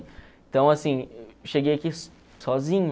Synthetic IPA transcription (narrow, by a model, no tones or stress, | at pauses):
t̪ɐ̃w̃asĩʃeɡejɐkis | sɔzĩɲʊ